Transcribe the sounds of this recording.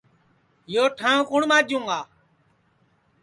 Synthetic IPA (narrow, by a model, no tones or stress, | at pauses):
joːʈʰãːkʊɳmãːd͡ʒũːŋɡaː